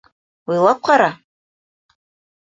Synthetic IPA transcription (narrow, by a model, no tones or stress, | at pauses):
wilakʷʰaɾa